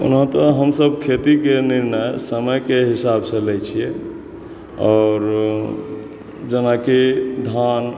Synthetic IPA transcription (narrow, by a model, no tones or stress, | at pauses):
ṵnɦə̃t̪əɦəmsəb̚kʰet̪ikeniɾnəjsəməjkeɦisabsəlɛjt͡ʃʰiɛ | ɔːɾ | d͡ʒənakied̪ʱan